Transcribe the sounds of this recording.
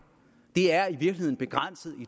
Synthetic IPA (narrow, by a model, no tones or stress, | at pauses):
d̥e̝æɐiʋiɐɡ̥lie̝ð̰ˠnb̥e̝ɡ̥ʁan̰səð̩ˠi